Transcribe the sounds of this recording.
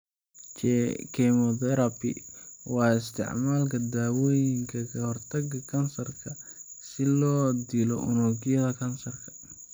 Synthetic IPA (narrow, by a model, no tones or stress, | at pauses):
t͡ʃɛkʰɛmɔd̪ɛɾɐbɪ̰wɑːɪst̪ʰɪ̰ʕmaːlkʰɐd̪aːwɔːjɪŋkʰɐkʰɐhɔrt̪ʰɐɡɐkʰɐnsɐrkʰɐ | sɪlɔːd̪ilɔ̰ʔʊ̰nɔːɡɪjɐðɐkʰɐnsɐrkʰɐ̥